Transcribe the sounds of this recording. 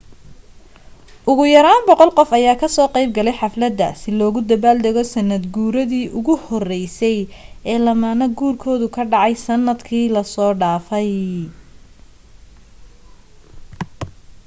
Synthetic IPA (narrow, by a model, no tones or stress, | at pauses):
ʔʊɣʊjɐɾaːnbɔqɔlqɔfɐjaːkʰɐsɔːqejb̚ɡɐlɛjħɑflɐd̪ɐ̰sɪlɔːɣʊd̪ɐβaːld̪ɛɣɔsɐnːɐd̪ɡuːɾɐðiːʔʊɣʊhɔrɛjsɛjɛːlɐmaːnɐɡuːrkʰɔːðʊkʰɐɖɑʕɑjsɐnːɐd̪kʰiːlɐsɔːɖaːfɛj